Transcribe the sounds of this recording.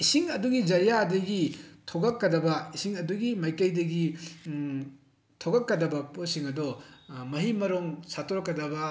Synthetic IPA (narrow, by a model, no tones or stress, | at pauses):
isiŋɐduɡid͡ʒɐɾijadɐɡitʰoɡɐkːɐdɐbɐisiŋɐduɡimɐjkɐjdɐɡi | tʰoɡɐkːɐdɐbɐposiŋɐdɔmɐɦimɐɾoŋsatʰoɾɐkːɐdɐbɐ